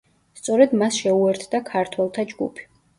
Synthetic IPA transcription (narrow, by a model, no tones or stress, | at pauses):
st̪sʼɔɾɛd̪masʃɛuɛɾt̪ʰd̪akʰaɾt̪ʰwɛlˠt̪ʰad͡ʒɡupʰi̥